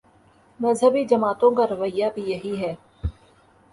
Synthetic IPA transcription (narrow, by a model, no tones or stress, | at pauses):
mɐzɦəbid͡ʒɐmaːt̪õkaɾɐʋəjːabʱijɐɦiɦɛː